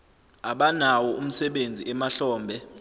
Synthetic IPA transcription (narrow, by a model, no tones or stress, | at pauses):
aɓanawɔʔum̩sɛɓend͡zʱiʔɛmaɬɔːmbʱɛ